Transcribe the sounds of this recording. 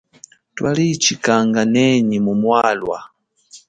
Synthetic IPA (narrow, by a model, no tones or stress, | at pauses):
twalit͡ʃikaŋɡanɛɲimumwalwa̰